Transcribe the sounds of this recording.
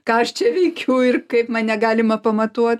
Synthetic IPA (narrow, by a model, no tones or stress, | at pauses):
kɑːɐʃt͡ʃʲɛʋʲɛɪkʲʰɛʊɪrkɐɪpmɐnʲɛɡɑːlʲɪmɐpɐmɐt̪uɔt̪